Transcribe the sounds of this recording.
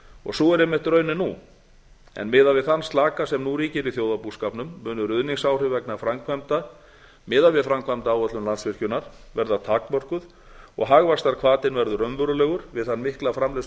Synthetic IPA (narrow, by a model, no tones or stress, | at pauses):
ɔ̰ɣsɔɛɾjɛmɛht̪ɾœːɥnɪnu | ɛ̰nmɪðavɪðθanːst̪laːkasɛmnuɾiːcɪɾiθjowðapuskaːpnʏmːʏːnʏɾʏðniŋsaːwr̥ʏvɛknafɾamkʰvajmt̪a | mɪːðavɪðfɾamkʰvajmt̪aːwœt̪lʏmlant̪svɪr̥cʏnaɾ̥ | vɛɾðat̪ʰak̚nmɔr̥kʏð | ɔ̰ɣɦaɣvast̪aɾkʰvaːt̪ɪnvɛɾðʏɾœnvʏɾʏlɛːɣʏɾ̥vɪðθanːmɪhklafɾamlɛs